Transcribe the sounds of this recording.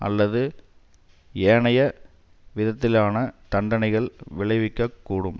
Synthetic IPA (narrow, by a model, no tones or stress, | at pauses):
ɐ̰lːɐðɯ | eːɳɐjɐ | ʋɪðɐt̪ːɪlaːnɐt̪ɐɳɖɐnɐɪɣɐɭʋɪɭɐɪʋɪkːɐkːuːɽɯm